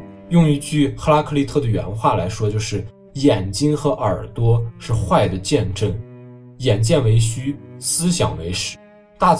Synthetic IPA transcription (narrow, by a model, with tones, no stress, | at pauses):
jʊ˥˧ŋi˧˥t͡ɕy˥˩xa˥la˥kʰɤ˥˧li˥˧t̪ʰɤ˥˩d̪ə˩ɥɛ̰˧˥nxwa˥˩la˧˥ɪʂwɔ˥t͡ɕjo˥˧ʊʂɻ̩˥˩ | jɛ˨˩nt͡ɕi˥ŋxɤ˧˥ʔə˞˨˩t̪wɔ˥ʂɻ̩˥˧xwa˥˩ɪd̪ə˩t͡ɕjɛ˥˧nʈ͡ʂɤ˥˩ŋ | jɛ˨˩nt͡ɕjɛ˥˩nwe˧˥ɪɕy˥sɹ̩˥ɕjɑ̰˨˩ŋwe˧˥ɪʂɻ̩˧˥ | t̪a˥˩